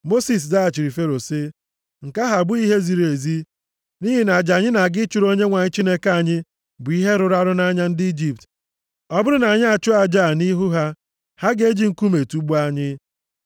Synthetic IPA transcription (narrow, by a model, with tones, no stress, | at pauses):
mo˦si˨s̬da˦a˨t͡ʃi˨ɾi˨fe˦ɾo˨sɪ˦ | ŋ̩˨ka˦ɦa˨bʊ˦i˦ɦe˦zi˨ɾe˨zi˦ | ni˦ɦi˨na˨d͡ʒa˨ɲɪ˦na˨ɡɪ˦t͡ʃʊ˨ɾo˦ɲe˦ŋʷa˨ɲɪ˦t͡ʃi˦ne˦kaa˦˨ɲɪ˦ | bʊ˨i˦ɦe˦ɾʊ˦ɾa˦ɾʊ˦na˦ɲa˦n̩˦dɪ˦i˦d͡ʒi˨p̚t | ɔ˦bʊ˦ɾʊ˦na˨ɲɪ˦a˨t͡ʃʊ˦a˨d͡ʒa˦˨ni˦ɦu˦ɦa˦ | ha˦ɡe˦d͡ʒi˨ŋ̩˨˦ku˦me˨tu˦ɡ͡bu˦a˦ɲɪ˦